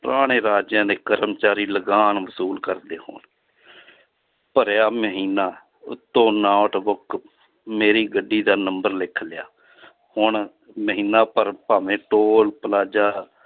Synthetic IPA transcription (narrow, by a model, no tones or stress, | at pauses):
pəɾaːɽ̃eːɾaːd͡ʒjãːd̪eːkəɾəmt͡ʃaːɾiːləɡaːnʋəsuːlkəɾd̪eːho̰ːn | pəɾjaːməɦiːnaː | ʊ̰t̪ːõːnaːʈbʊk | meːɾiːɡəɖːiːd̪aːnəmbəɾlɪkʰlɪjaː | hʊɳ | məɦiːnaːpəɾpaːʋẽːʈoːlpəlaːd͡ʒaː